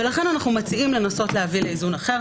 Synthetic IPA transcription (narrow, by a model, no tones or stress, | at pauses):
velaχe̞nanaχnumat͡siimle̞naso̞tlehavileizunaχe̞ʁ